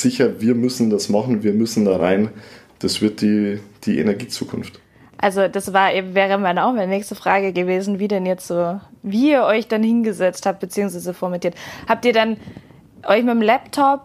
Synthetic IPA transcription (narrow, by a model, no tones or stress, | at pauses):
z̥ɪçɐviːɐmʏsn̩dasmaχn̩viːɐmʏsn̩daːʁa̰ɪnd̥asv̥ɪɐt̚d̥iːd̥iːʔḛnɛɐɡiːt͡sṵːkʰʊnft | ʔalzod̥asv̥aːɐʔeːbm̩vɛːʁ̞əmanaʊxmannɛːçstəfʁ̥aːɡəɡəveːzn̩viːdɛnjɛt͡stz̥oːviːiːɐʔɔʏçd̥anhɪnɡəzɛt͡sthaːp̚t̚b̥ət͡siːʊŋsv̥aɪzəfɔɐmɛntiːɐthaːp̚tiːɐdan | ʔɔʏçmɪtm̩lɛptʰɔp